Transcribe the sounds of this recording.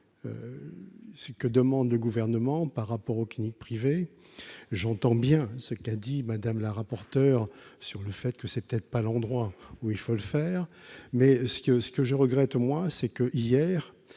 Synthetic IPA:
ø̰ | səkəd̪əmɑ̃d̪ləɡuvɛʁnəmɑ̃paʁːapɔʁoklinik̚pχive | ʒɑ̃t̪ɑ̃bjɛ̃səkad̪imad̪amlaʁapɔʁt̪œːʁsyʁləfɛt̪kəsɛpə̥t̪ɛt̪χpalɑ̃d̪ʁwauilfoləfɛːʁmɛsə̥kəsə̥kəʒəʁəɡʁɛt̪mwasɛkəʔijɛːʁ

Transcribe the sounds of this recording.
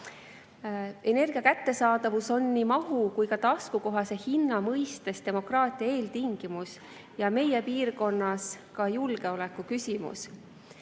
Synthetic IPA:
e̞ne̞rɡ̥iɑkæt̪ːe̞sɑːd̪ɑvuso̞nːimɑɦukujkɑt̪ɑskuko̞ɦɑse̞hinːɑmɤjst̪e̞st̪e̞mo̞krɑːt̪ˑiɑe̞ːlt̪iŋɡ̥imus | jɑme̞jepiːrko̞nːɑskɑjulɡ̥e̞o̞lekːˑukysʲimṵs

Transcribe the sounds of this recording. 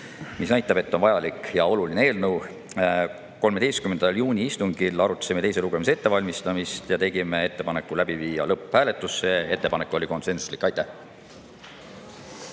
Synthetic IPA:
misnæjt̪ːˑɑbe̞t̪ːo̞nvɑjɑlikjɑo̞lulineeːlnəw | ko̞lme̥ejst̪kymːend̪̥ɑljuːnʲiist̪uŋɡ̥ilɑɾut̪ːˑɑ̥simet̪e̞jseluɡ̥e̞mis̬ee̞t̪ːe̞vɑlʲmist̪ɑmist̪jɑt̪e̞ɡ̥ime̞e̞t̪ːe̞pɑne̞kːˑulæb̥iviːjɑ̰lɤpːhæːle̞t̪ːˑusːe̞e̞t̪ːe̞pɑnekːˑo̞lʲiko̞nse̞nsu̥slikːˑɑjt̪ːˑæh

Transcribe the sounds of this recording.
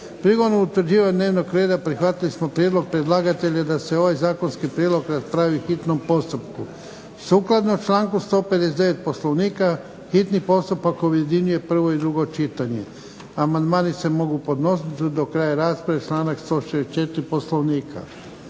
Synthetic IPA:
pɾiɡod̪nout̪ʋɾ̩d͡ʒiːʋaɲneːʋno̞ɡɾe̞ːd̪apɾixʋat̪ilismo̞pɾjed̪lˠo̞ɡ̚pɾed̪lˠaːɡat̪e̞ʎad̪ase̞o̞ʋajzaːko̞nskipɾjed̪lo̞ɡɾaspɾaʋixit̪nompo̞st̪upku | suklˠad̪not͡ʃlaːŋkust̪o̞ːped̪esed̪eʋet̪̚po̞slˠo̞ʋniːka | xit̪nipo̞st̪upakoje̞d̪iɲuje̞pr̩ʋo̞id̪ɾuɡot͡ʃit̪aɲe̞̰ | amand̪maːnise̞mo̞ɡupo̞d̪no̞sit̪d̪okɾaːjaɾaːspɾaʋet͡ʃlaːnakst̪o̞ːʃest͡ʃe̞t̪ɾipo̞sloʋniːkʰa̰

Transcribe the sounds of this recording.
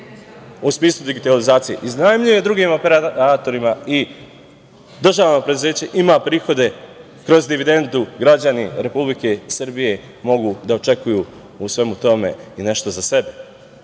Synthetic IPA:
usmiːslˠud̪iɡit̪alizaːt̪sije̞̰ʔiznajemʎije̞d̪ɾuɡiːmo̞peɾaat̪o̞ɾimai | d̪r̩ʒaːʋno̞pɾed̪uze̞ːt͡ɕeʔimapɾiːxo̞d̪e̞ | kɾo̞zd̪iʋid̪e̞nd̪uɡɾad͡ʑaniɾe̞publike̞srbije̞ | mo̞ɡud̪aot͡ʃe̞kuju | usʋe̞mut̪o̞me̞̰ine̞ʃt̪ozase̞be

